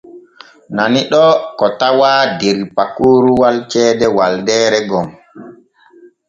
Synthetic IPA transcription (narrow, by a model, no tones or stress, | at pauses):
naniɗɔkɔtawaːdeɾipakːuːɾuwalt͡ʃɛːdɛwaldɛːɾɛɡɔm